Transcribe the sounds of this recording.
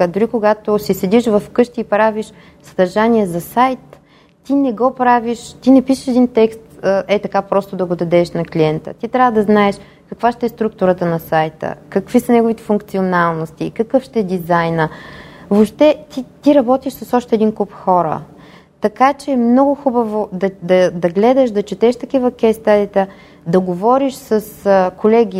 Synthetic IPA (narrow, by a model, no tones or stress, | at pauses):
d̪ʊɾikoɡat̪osisɛd̪iʃvɐfkɤʃt̪iːpɾaviʃ | sɐ̥d̪ɐɾʒaniɛzɐsajt̪ː | inɛɡɔpɾaviʃt̪inɛpiʃəʃɛd̪int̪ɛkst̪əʔɛt̪ɐkapɾɔst̪od̪ɐɡod̪ɐd̪ɛʃnɐkliɛnt̪ə̰t̪it̪ɾʲavəd̪ɐznaɛʃ | kɐkvaʃt̪ɛɛst̪ɾuk̚t̪ʊɾət̪ənɐsajt̪ə̰kɐkvisɐnɛɡovit̪ɛ̥fʊŋkt̪sionalˠnost̪ikɐkɤfʃt̪ɛɛd̪izajnəvopʃt̪ɛt̪it̪iɾɐbɔt̪iʃsɐsɔʃt̪ɛːd̪inkupxɔɾə̰ | t̪ɐkat͡ʃɛːmnɔɡʊxubəvod̪ɐd̪ɐd̪ɐɡlɛd̪ɐʃd̪ɐt͡ʃɛt̪ɛʃt̪ɐkivɐkɛst̪ad̪it̪ə | d̪ɐɡovɔɾiʃsəskolɛɡʲi